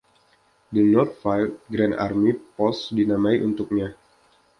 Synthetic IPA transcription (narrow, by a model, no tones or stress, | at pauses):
dənɔrt̪̚fajlt̪̚ɡɾɛna̰rmipɔsdinamaiʔunt̪uk̚ɲa